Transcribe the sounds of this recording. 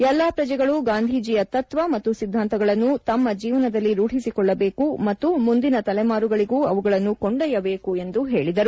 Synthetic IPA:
ɛlːaːpɾɐd͡ʒɛɡɐɭuɡaːnd̪ʱiːd͡ʒijɐt̪ɐt̪ʋɐmɐt̪ːusid̪ʱːaːnt̪ɐɡɐɭɐnːut̪ɐmːɐd͡ʒiːʋɐnɐd̪ɐlːiɾuːʈisikɔɭːɐbe̞ːkumɐt̪ːumund̪inɐt̪ɐlɛmaːɾuɡɐɭiɡuːɐʋuɡɐɭɐnːukoɳɖɐjɐbe̞ːkue̞nd̪uɦe̞ːɭid̪ɐɾu

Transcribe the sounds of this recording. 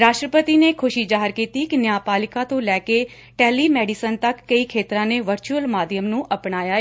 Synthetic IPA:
ɾaːʃʈɾəpət̪iːneːkʰʊʃiːd͡ʒaːɦəɾkiːt̪iːkɪnɪjaːpaːlɪkãːt̪õːlɛːkeː | ʈɛːliːmɛːɖiːsənt̪əkːəiːkʰeːt̪ɾãːneːʋəɾt͡ʃuːəlmaːd̪ɪjəmnũːʔəpɳaːjaːeː

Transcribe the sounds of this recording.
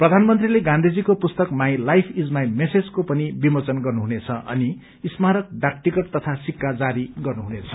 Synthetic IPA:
prʌd̪ʱanmʌnt̪rileɡãnd̪ʱid͡zikopust̪ʌkmaj̃lajpʰid͡zmajmesed͡zkopʌnibimʌt͡sʌnɡʌrnuɦunet͡sʰʌʔʌ̰niː | smaɾʌk̚ɖak̚ʈikʌʈ̚t̪ʌt̪ʰasikːad͡zaɾiɡʌrnuɦunet͡sʰʌ̥

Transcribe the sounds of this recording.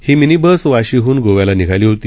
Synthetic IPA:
hiːminibəsʋaɕiːɦuːnɡoʋjalaniɡʱaliːɦot̪iː

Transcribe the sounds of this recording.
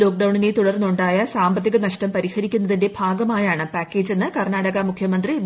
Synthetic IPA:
o̞ːk̚ɖɐwɳinet̪uɽɐrnːuɳɖaːjɐsaːmbɐt̪̬ːiɣɐnɐʂʈɐmpɐɾihɐɾikʲːunːɐðinde̞bʱaːɡɐmaːjaːɳɨpaːkːe̞ːd͡ʑe̞nːɨkɐrnaːɽɐɣɐmukʰjɐmɐnd̪ri

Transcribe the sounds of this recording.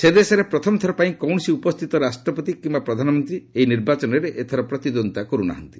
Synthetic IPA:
sed̪esɔɾepɾɔt̪ʰɔmɔt̪ʰɔɾɔpaĩkɔwɳ̃ɔsiupɔst̪ʰit̪ɔɾasʈɾɔpɔt̪ikimbapɾɔd̪ʱanɔmɔnt̪ɾieiniɾbat͡ʃɔnɔɾeʔet̪ʰɔɾɔpɾɔt̪id̪ɔnt̪akɔɾuna̰ɦɔnt̪i̥

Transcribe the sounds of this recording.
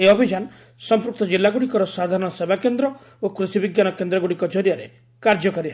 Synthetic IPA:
eɔbʱid͡ʒan | sɔmpɾuk̚t̪ɔd͡ʒilːaɡuɽikɔɾɔsad̪ʱaɾɔɽ̃ɔsebakend̪ɾɔ | okɾusibiɡjanɔkend̪ɾɔɡuɽikɔd͡ʒɔɾjaɾḛ | kaɾd͡ʒɔkaɾi

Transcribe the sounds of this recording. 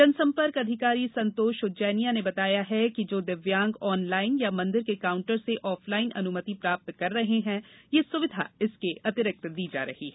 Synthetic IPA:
d͡ʒɐnsɐ̃mpəɾkɐd̪ʱɪkaːɾisɐ̃nt̪oːʃʊd͡ʒɛːnijanebɐt̪aːjaɦɛkid͡ʒoːd̪ɪʋjãːŋɡɔːnlaːɪnjamɐ̃nd̪ɪɾkekaːʊ̃ɳʈəɾseʔɔːfʰlaːɪnʔɐ̰nʊmət̪ipɾaːp̚t̪kɐɾːɐɦeɦɛ̃jesʊʋɪd̪ʱa̰ɪskeʔɐt̪ɪɾɪk̚t̪d̪iːd͡ʒa̰ːɾɐ̰ɦiɦɛ

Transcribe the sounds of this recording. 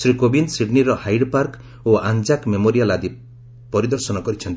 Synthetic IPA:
sɾikobinsiɖniɾɔhajɖpaɾk | oand͡ʒakmemoɾialad̪i | pɔɾid̪ɔɾsɔnɔkɔɾit͡ʃʰɔnt̪i

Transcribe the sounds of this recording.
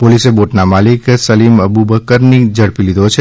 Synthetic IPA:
poliseboːʈnamaːlɪksɐliːmɐbubəkəɾnid͡ʒɐɽpilid̪ot͡ʃʰe

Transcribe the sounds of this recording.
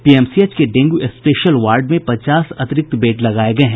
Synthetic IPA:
piːɛːmsiet͡ʃkeɖẽːŋɡuʔespeːʃəlʋaːɾɖmẽpɐt͡ʃaːsɐt̪ɪɾɪk̚t̪beːʈlɐɡaːeɡɐeɦɛ̃

